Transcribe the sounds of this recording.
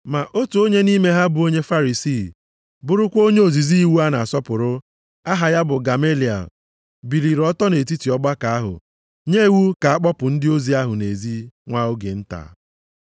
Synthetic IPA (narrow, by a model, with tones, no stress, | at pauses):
ma˨ʔo˦tu˨o˦ɲe˦ni˦me˦ɦa˦bʊ˨o˦ɲe˦fa˦ɾi˨siː˦˨ | bʊ˦ɾʊ˦kʷo˦ɲe˦o˨zi˨zi˦wu˦a˦na˨a˨sɔ˦pʊ˨ɾʊ˦ | a˦ɦa˨ja˦bʊ˨ɡa˨me˦li˨a̰˨ | bi˨ɾi˨ɾɔ˦tɔ˦ne˨t̬i˦ti˨ɔ˦ɡ͡ba˦ka˨a˦ɦʊ̰˨ | ɲe˦˨wu˦ka˨a˦k͡pɔ˦pʊ˨n̩˦dɪ˦o˦zi˨a˦ɦʊ˨ne˨zi˦ŋʷa˦ʊ˦ɡe˨n̩˦ta̰˨˦